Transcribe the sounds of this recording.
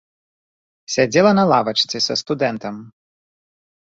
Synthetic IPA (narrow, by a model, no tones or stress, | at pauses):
sʲad͡zʲɛlˠɐnɐlˠavɐt͡ʃt̪sɨsʲɐst̪ud̪ɛnt̪ɐm